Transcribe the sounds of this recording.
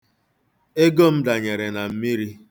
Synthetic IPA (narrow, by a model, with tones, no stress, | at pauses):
e˦ɡo˦m̩˦da˨ɲe˨ɾe˨na˨m̩˦mi˦ɾi˦